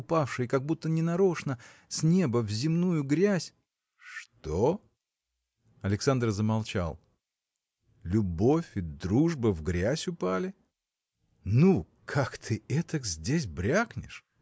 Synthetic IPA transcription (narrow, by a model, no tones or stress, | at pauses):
ʊpafʂɨjkaɡ̚but̪ːənʲɪnɐɾo̞ʂnə | sʲnʲe̞bəvzʲɪmnujʊɡɾʲæsʲ | ʂt̪o | ɐlʲɪksand̪rzəmɐlˠt͡ɕa̰lˠ | lʲʊbo̞fʲɪd̪ɾuʐbɨvɡɾʲæsʲʊpalʲɪ | nu | kʰakt̪ʰɨɛt̪əkzʲdʲes̬ʲbɾʲaknʲɪ̰ʂ